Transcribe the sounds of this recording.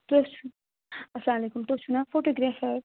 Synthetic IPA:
t̪ot͡ʃʰu | ɐslaːmɐlekumt̪ot͡ʃʰunafoʈoɡɾafɐɾ

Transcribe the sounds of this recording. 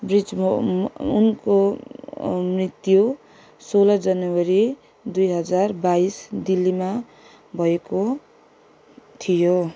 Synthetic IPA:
brid͡z | ṵnko | mrit̪jo | solʌd͡zʌnwʌɾi | d̪ujɦʌd͡zarbaisd̪ilːima | bʱʌeko | t̪ʰijo

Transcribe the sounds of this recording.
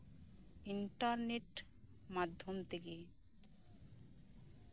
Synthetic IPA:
iɳʈaɾneʈ | mad̪ʱːomt̪ʰeke

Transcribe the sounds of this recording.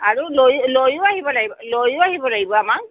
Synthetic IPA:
aɹulojlojʊaɦibɔlaɡibɔlojʊaɦibɔlaɡibɔamak

